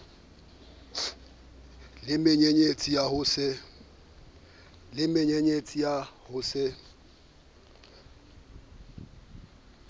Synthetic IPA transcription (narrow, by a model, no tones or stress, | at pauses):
lɪmeɲeɲet͡sʼijahʊsɪ | lɪmeɲeɲet͡sʼijahʊsɪ